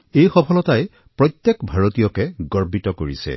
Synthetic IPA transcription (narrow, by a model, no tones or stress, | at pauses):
ejxɔpʰɔlɔtaj | pɹɔjt̪jɛkbʱaɹotijɔkɛɡɔɹbitɔkoɹḭsɛ̰